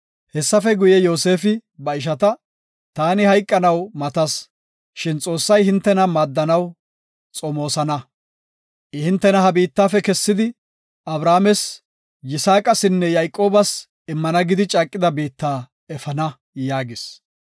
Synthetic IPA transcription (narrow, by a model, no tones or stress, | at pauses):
hɛsːɐfɛɡʊjɛjo̞ːse̞ːfɪbɐɪʃ̬ɐt̪ɐ | t̪aːnɪhɐjkʼːɐnɐwmɐt̪ɐs | ʃɪnt͡sʼo̞ːsːɐjhɪnt̪ːɛnɐmaːd̪ːɐnɐw | t͡sʼɔmo̞ːsɐnɐ | ʔɪhɪnt̪ːɛnɐhɐbiːt̪ːaːfɛkɛsːɪd̪ɪ | ʔɐbɾaːmɛs | jɪsaːkʼɐsɪnːɛjajkʼːo̞ːbɐs | ɪmːɐnɐɡɪd̪ɪt͡ʃʼakʼːɪd̪ɐbiːt̪ːaː | ɛfɐnɐ | jaːɡɪs